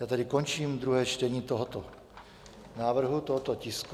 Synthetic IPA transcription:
jaːt̪adɪkont͡ʃiːmd̪ɾuɦɛːt͡ʃt̪ɛɲiːt̪oɦot̪o | naːvr̩ɦut̪oɦot̪ocɪsk

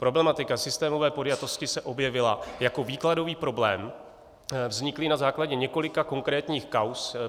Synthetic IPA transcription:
pɾo̞blɛmat̪ɪkasɪst̪ɛːmovɛːpo̞djat̪o̞scɪsɛʔo̞bjɛvɪlajako̞viːklado̞viːpɾo̞blɛːm | vzɲɪklɪnazaːklaɟɛɲɛko̞lɪkako̞ŋkɾɛːt̪ɲiːxkaws

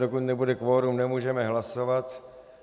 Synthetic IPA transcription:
dokut̪nɛbudɛkʋoːɾumnɛmuːʒɛmɛɦlaso̞vat̪

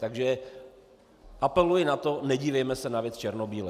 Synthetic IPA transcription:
t̪aɡʒɛ | ʔapɛlujɪnat̪o̞nɛɟiːvɛjmɛsɛnavjɛt͡st͡ʃɛɾnobiːlɛ

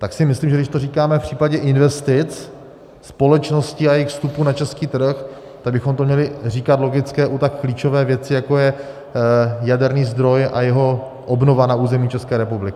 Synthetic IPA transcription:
t̪aksɪmɪslimʒɛdɪʃt̪o̞riːkaːmɛfpr̝̥iːpaɟɛʔɪnvɛst̪ɪt͡s | spo̞lɛt͡ʃno̞scɪajɛjxfst̪upuːnat͡ʃɛskiːt̪r̩x | t̪aɡ̚bɪxo̞mt̪omɲɛlɪr̝iːkat̪lo̞ɡɪt͡skɛːʔut̪akːliːt͡ʃo̞vɛːvjɛt͡sɪjako̞jɛ | jadɛɾniːzd̪ɾo̞jʔa̰jɛɦo̞ | ʔobno̞vanauːzɛmiːt͡ʃɛskɛːɾɛpublɪkɪ

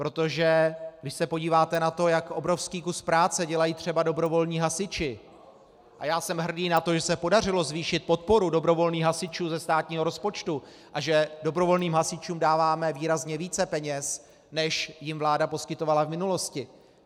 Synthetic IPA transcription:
pɾo̞t̪o̞ʒɛɡdɪʃsɛpo̞ɟiːvaːt̪ɛnat̪o̞jakʔo̞bɾo̞fskiːkuspɾaːt͡sɛɟɛlajiːt̪r̝̥ɛbado̞bɾo̞vo̞lɲiːɦasɪt͡ʃɪ | ʔa̰jaːsɛmɦr̩diːnat̪o̞ʒɛsɛpo̞dar̝ɪlo̞zviːʃɪt̪̚po̞t̪̚po̞ɾudo̞bɾo̞vo̞lniːxɦasɪt͡ʃuːzɛst̪aːt̪ɲiːɦo̞ɾo̞spo̞t͡ʃt̪u | ʔaʒɛdo̞bɾo̞vo̞lniːmɦasɪt͡ʃuːmdaːvaːmɛviːɾazɲɛviːt͡sɛpɛɲɛs | nɛʃjɪmvlaːdapo̞skɪt̪o̞valavmɪnulo̞scɪ

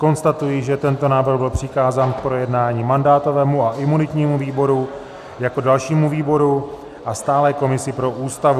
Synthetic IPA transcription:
ko̞nst̪at̪ujiʒɛt̪ɛnt̪o̞naːvr̩ɣbɪlpr̝̥ɪkaːzaːnpɾo̞jɛdnaːɲiːmandaːt̪o̞vɛːmuaʔɪmunɪt̪ɲiːmuviːbo̞ɾu | jako̞dalʃiːmuviːbo̞ɾu | ʔast̪aːlɛko̞mɪsɪpɾo̞ʔuːst̪avu

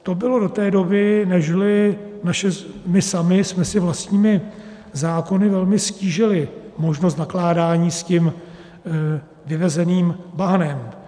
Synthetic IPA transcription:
t̪o̞bɪlo̞do̞t̪ɛːdo̞bɪnɛʒlɪnaʃɛmɪsamɪsmɛsɪvlast̪ɲiːmɪ | zaːko̞nɪvɛlmɪsciːʒɪlɪmo̞ʒnost̪naklaːdaːɲiːscɪm | vɪvɛzɛniːmbaɦnɛm

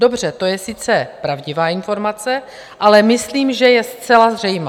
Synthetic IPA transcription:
do̞br̝ɛt̪o̞jɛsɪt͡sɛpɾavɟɪvaːɪnfo̞ɾmat͡sɛ | ʔalɛmɪsliːmʒɛjɛst͡sɛlazrɛjma

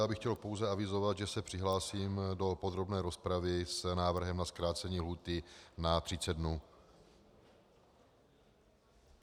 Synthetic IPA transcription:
abɪxcɛlpo̞wzɛavɪzo̞vat̪ʒɛsɛpr̥ɪɦlaːsiːmdo̞po̞d̪ɾo̞bnɛːɾo̞spɾavɪsnaːvr̩ɦɛmnaskɾaːt͡sɛɲiːɦluːt̪ɪnat̪r̥ɪt͡sɛd̪̚dnuː

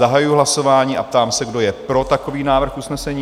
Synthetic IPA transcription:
aɦajujuɦlaso̞vaːɲiːʔa̰p̚t̪aːmsɛɡdo̞jɛpɾo̞t̪ako̞viːnaːvr̩xʔusnɛsɛɲiː

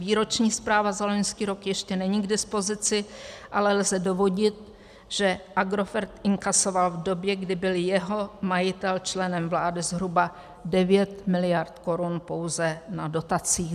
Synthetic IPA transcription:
viːɾo̞t͡ʃɲiːspɾaːvazalo̞ɲskiːɾo̞kjɛʃcɛnɛɲiɡdɪspo̞zɪt͡sɪʔalɛlzɛdovo̞ɟɪt̪̚ | ʒ̥ɛʔaɡɾo̞fɛɾt̪ʔɪŋkaso̞valvdo̞bjɛɡdɪbɪljɛɦo̞majɪt̪ɛlt͡ʃlɛnɛmvlaːdɪzɦɾuba | dɛvjɛt̪mɪlɪjaɾt̪ko̞ɾunpo̞wzɛnado̞t̪at͡siː

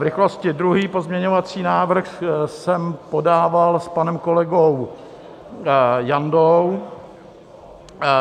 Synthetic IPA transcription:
vɾɪxlo̞scɪdɾuɦiːpo̞zmɲɛɲovat͡siːnaːvr̩xsɛmpo̞daːvalspanɛmko̞lɛɡow | jandow

